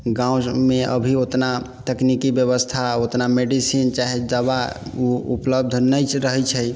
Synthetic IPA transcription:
ɡãwmeʔə̰bʱiot̪na | t̪eknikibjəβəst̪ʰaot̪nameɖisint͡ʃaɦed͡ʒəβauupləb̚d̪ʱnəjt͡ʃɾəɦɛt͡ʃʰɛj

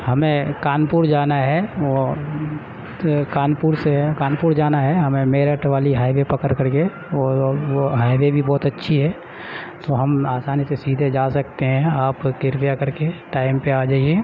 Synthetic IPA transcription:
hɐmẽkaːnpuɾd͡ʒaːnaɦɛʋo | kaːnpuːɾsekaːnpuɾd͡ʒaːnaɦɛɦɐmẽmeːɾəʈʋaːliɦaːɪʋepɐkəɾkəɾke | ɔːʋoɦaːɪʋebʱibɔːt̪ɐtːʃʰiɦɛː | t̪oɦɐmaːsaːnisesiːd̪ʱed͡ʒaːsɐkt̪eɦɛ̃aːpkɪɾpjakɐɾkeʈaːɪmpeaːd͡ʒaːiɛ

